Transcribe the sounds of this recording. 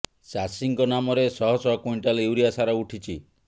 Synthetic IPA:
sasiŋkɔnamɔɾesɔɦɔsɔɔkujɳʈalewɾiasaɾɔuʈʰit͡ʃʰi

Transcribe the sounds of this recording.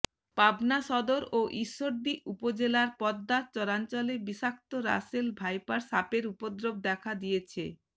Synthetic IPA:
pabnaʃɔd̪oɾoʔiʃːoɾd̪iʔupod͡ʑelaɾpɔd̪ːat͡ɕɔɾant͡ɕɔlebiʃak̚t̪oɾa̰selbʱajpaɾsapeɾupod̪ɾob̚d̪ɛkʰad̪ijet͡ɕʰḛ

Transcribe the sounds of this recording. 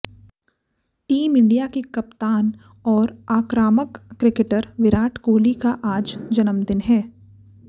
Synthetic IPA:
ʈiːmɪ̃ɳɖijakikɐpt̪aːn | ɔːɾaːkɾaːməkːɾɪkeʈəɾʋɪɾaːʈʰkoːlikaʔaːd͡ʒd͡ʒɐnəmd̪ɪnɦɛː

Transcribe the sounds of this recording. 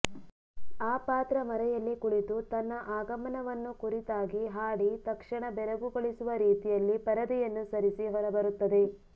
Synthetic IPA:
aːpaːt̪ɾɐmɐɾɛjɐlːikuɽit̪ut̪ɐnːɐʔaːɡɐmɐnɐʋɐnːukuɾit̪aːɡiɦaːɽit̪ɐkʂɐɳɐbɛɾɐɡuɡoɭisuʋɐɾiːt̪ijɐlːipɐɾɐd̪ɛjɐnːusɐɾisiɦɔɾɐbɐɾut̪ːɐd̪e̞

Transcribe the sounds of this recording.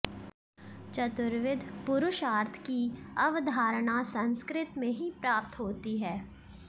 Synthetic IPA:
t͡ʃɐt̪ʊɾʋɪd̪ʱpʊɾʊʃaːɾt̪ʰkiɐʋd̪ʱaːɾɽ̃asɐ̃nskɾɪt̪mẽɦipɾaːp̚t̪ɦoːt̪iɦɛː

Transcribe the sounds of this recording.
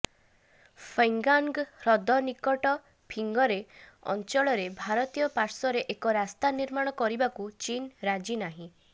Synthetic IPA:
pʰeŋɡaŋɡɾɔd̪ɔnikɔʈɔ | pʰiŋɡɔɾeɔ̰nt͡ʃɔɭɔɾebʱaɾɔt̪ijɔpaɾsɔɾeʔekɔɾast̪aniɾmaɽ̃ɔkɔɾibakut͡ʃinɾad͡ʒinaɦĩ

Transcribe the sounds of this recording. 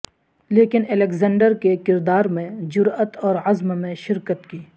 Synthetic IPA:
leːkɪnɛlekzɛ̃ːɳɖəɾkekɪɾd̪aːɾmẽd͡ʒʊɾət̪ɔːɾɐzmmẽʃɪɾkət̪kiː

